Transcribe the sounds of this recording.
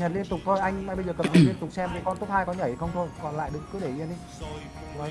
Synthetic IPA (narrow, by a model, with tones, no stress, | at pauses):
ɲə˨˩t̚li˧ənt̪ʊ˨˩k͡p̚t̪ʰo˧jʔa˧jŋ̟a˧jɓə˧jzəː˨˩kə˨˩p̚ɲə˨˩i˧ənt̪ʊ˨˩k͡p̚sɛ˧mɗe˨˩kɔ˧nt̪o˦˥p̚haː˧jkɔ˧nɲə˧˩hxə˧wŋ͡mt̪ʰo˧jkɔ˨˩nla̰ː˧˨jɗɨ˨˦ŋkɨ˨˦ɗe˧˩ʔḭ˧nɗi˧˦˧